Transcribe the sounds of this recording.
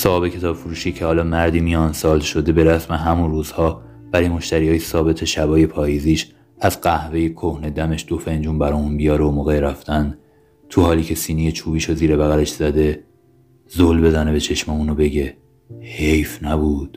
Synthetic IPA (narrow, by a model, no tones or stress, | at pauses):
sɒːbe̞cʰe̞t̪ʰɒːbfuɾuːʃiːcʰe̞hɒːlɒːmæɾd̪iːmijɒːnsɒːlʃo̞d̪e̞be̞ɾæsmeɦæmunruːz̥hɒː | vælimo̞ʃt̪æɾiːhɒːjesɒːbe̞t̪ʰe̞ʃæbɒːje̞pʰɒːjiːziːʃ | æzɢæhve̞jekʰohne̞d̪æme̞ʃd̪̥o̞fe̞nd͡ʒuːnbæɾɒːuːnbijɒːɾeomoːɣeɾæft̪ænd̪ | t̪ʰuhɒːliːcʰe̞siːneje̞t͡ʃʰuːbiːʃoziːɾe̞bæɣæle̞ʃz̥æd̪e̞ | zolbe̞zæne̞be̞t͡ʃʰe̞ʃmeuːnobe̞ɟe̞ | he̞jfnæbuːd̪̥